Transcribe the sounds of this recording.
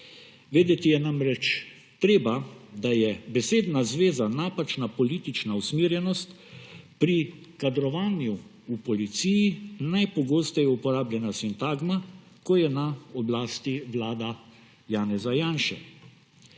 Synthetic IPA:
ʋeːd̪jɛt̪ijɛnamɾɛt͡ʃ | t̪ɾeːbad̪ajɛbɛseːd̪nazʋeːzanaːpat͡ʃnapɔliːt̪it͡ʃnausmiːɾjɛnɔst̪ | pɾi | kad̪ɾɔʋaːnju | upɔlit̪sijinajpɔɡoːst̪ɛjupɔɾaːblʲjɛnasint̪aːɡma | kɔjɛnaɔblaːst̪iʋlaːd̪a | jaːnɛzajaːnʃɛ̰

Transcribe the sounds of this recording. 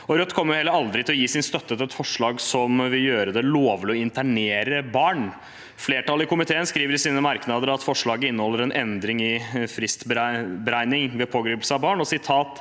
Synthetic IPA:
ɔɾœt̪ːkʰɔmːɾjʊhɛlːəɾɑld̪ɾɪt̪ɪlɔjiːsɪnst̪œt̪ːət̪ʰɪlɛt̪fɔʂɭɑːɡsɔmʋɪljøːɾəd̪ɛloːʋlɪɔɪnt̪æɳeːɾəbɑːɳ | fleːʈɑlːəɪkʊmɪt̪ʰeːənskɾiːʋəɾɪsiːnəmɑɾknɑd̪əɾɑt̪fɔʂɭɑːɡəɪnːəhɔlːəɾɛnʔɛnd̪ɾɪŋɪfɾɪst̪bbəɾæɪnɪŋʋɛpʰoːɡɾiːpl̩səɑbɑːɳɔsɪt̪ʰɑːt̪

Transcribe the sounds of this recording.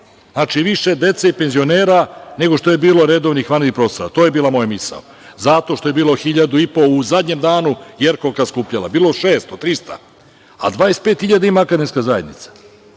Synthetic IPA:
znaːt͡ʃiʋiʃe̞d̪e̞t̪seipe̞nzio̞neːɾane̞ɡo̞ʃt̪o̞jebiːlo̞ɾe̞d̪o̞ʋnixʋaniipɾo̞st̪oɾa̰t̪oːjebiːlˠamo̞jmisa̰o | zat̪o̞ʃt̪o̞je̞biːlo̞xiʎad̪uipo̞uzad̪ɲemd̪aːnujeɾkokaskuːpʎala̰biːloʃeːst̪ot̪ɾist̪a̰ | a̰d̪ʋaːjest̪pe̞ːt̪xiʎad̪aimaakad̪imskazajed̪nit̪sḁ

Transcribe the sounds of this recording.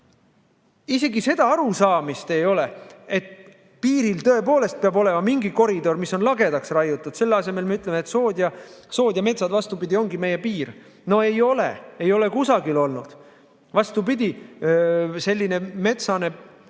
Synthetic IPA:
ise̞ɡise̞d̪ɑɑɾusɑːmist̪e̞jo̞le̞et̪ | piːɾilt̪ɤ̞e̞poːle̞st̪̚peɑbo̞le̞mɑmiŋɡiko̞ɾid̪o̞rmiso̞nlɑɡe̞d̪ɑksrɑjut̪ːˑud̪̥se̞lːɑse̞me̞lmeyt̪le̞met̪soːd̪jɑso̞ːd̪̥ʲjɑme̞t̪sɑd̪vɑst̪ubid̪̥ʲio̞ŋɡime̞jːepiːr | no̞ejo̞lḛe̞jo̞le̞kusɑɡilo̞lnud̪̥ | vɑst̪upid̪̥ʲi | se̞lʲːine̞me̞t̪sɑne̞

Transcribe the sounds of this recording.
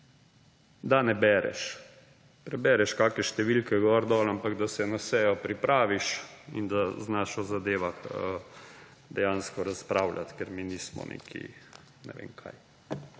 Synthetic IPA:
d̪anɛbɛɾɛ̰ʃ | pɾɛbɛɾɛʃkaːkɛʃt̪ɛʋilkɛɡɔɾd̪ɔːlampaɡd̪asɛnasɛjɔpɾipɾʔaːʋiʃḭnd̪aznaʃɔzad̪eːʋaxə | d̪ɛjanskɔɾaspɾaːwlʲa̰t̪kɛɾminiːsmɔ̰nʔḛːkʰḭ | nɛ̰ʋḛːmkʰa̰j

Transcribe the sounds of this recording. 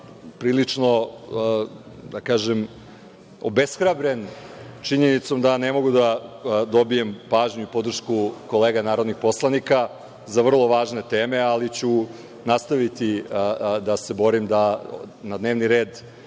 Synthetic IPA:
pɾiːlit͡ʂno̞ | d̪akaːʒem | o̰besxɾabɾe̞nt͡ʃiɲe̞nit̪so̞md̪anemo̞ɡud̪ad̪o̞bije̞mpaːʒɲuipo̞d̪r̩ʃkuko̞leːɡanaːɾod̪nixpo̞slˠanika | zaʋr̩lˠo̞ʋaːʒne̞t̪eːme̞alit͡ɕu | nast̪aʋit̪i | d̪ase̞bo̞ɾimd̪anad̪neːʋniɾeːd̪

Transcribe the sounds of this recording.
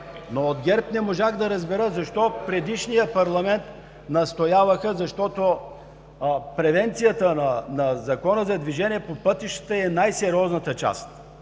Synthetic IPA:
nood̪ɡʲɛɾpnɛmoʒaɣd̪ɐɾəzbɛɾəzɐʃt̪ɔpɾɛd̪iʃnijəpɐɾlˠɐmɛnt̪ | nɐst̪ojavəxəzɐʃt̪ɔt̪o | pɾɛvɛnt̪sijət̪ənɐnɐzɐkɔnəzɐd̪viʒɛniɛpopɤt̪iʃt̪ə̥t̪əɛnajsɛɾʲiɔznɐt̪ət͡ʃa̰st̪

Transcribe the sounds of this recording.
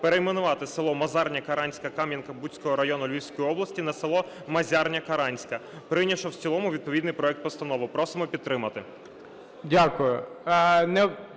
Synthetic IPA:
peɾejmenʊʋɑt̪ɪsɪlˠɔmɐzɑrnʲɐkɐɾɑnʲsʲkɐkɑmʲjɐnkɐbutʲt͡sʲkɔɦɔɾɐjɔnʊlʲiwʲsʲkɔjiɔblˠɐsʲtʲinɐselˠɔ | mɐzʲɑrnʲɐkɐɾɑnʲsʲkɐ | pɾɪnʲiʃɔwt͡sʲilˠɔmʊʋʲid̪̚pɔʋʲid̪nɪjpɾɔɛkt̪pɔst̪ɐnɔʋʊpɾɔsɪmɔpʲid̪̚t̪ɾɪmɐt̪ɪ | dʲakʊjʊ | nɛ

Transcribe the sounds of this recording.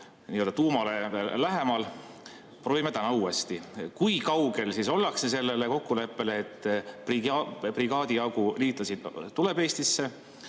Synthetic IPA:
niːø̞ld̪ɑt̪uːmɑle̞læɦemɑl | proːvimet̪ænɑuːest̪ikujkɑwɡe̞lsiso̞lːɑksese̞lːe̞le̞ko̞kːule̞pːe̞le̞ːt̪ːˑpripriɡ̥ɑːd̪iɑɡuliːt̪ːˑɑsid̪̥ːule̞be̞ːst̪isːe̞

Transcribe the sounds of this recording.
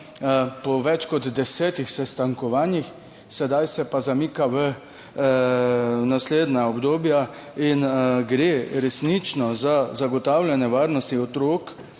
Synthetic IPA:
pɔʋɛt͡ʃkɔd̪d̪ɛsɛːt̪ixsɛst̪aŋkɔʋaːnjix | sɛd̪ajsɛpazamiːkaʋə | nasleːd̪naɔbd̪oːbja | inɡɾeːɾɛsnit͡ʃnɔzazaɡɔt̪awlʲjɛnɛʋaːɾnɔst̪iɔt̪ɾoːk

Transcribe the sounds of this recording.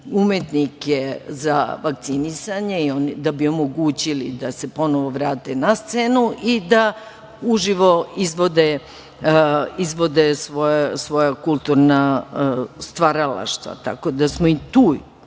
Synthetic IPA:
umet̪nikezaʋak̚t̪sinisaɲe̞io̞nid̪abio̞mo̞ɡuːt͡ɕilid̪ase̞po̞noʋo̞ʋɾaːt̪enast̪senuʔid̪a | uʒiʋo̞izʋo̞d̪e | izʋo̞d̪esʋojasʋo̞jakulˠt̪uɾna | st̪ʋaɾala̰ʃt̪ʋa̰t̪a̰ko̞d̪asmoit̪uː

